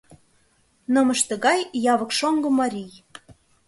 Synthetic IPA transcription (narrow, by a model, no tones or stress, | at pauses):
nɤ̆məʃt̪ə̆ɣɑjjɑβɤ̆kʃoŋɡɤ̆mɑɾʲij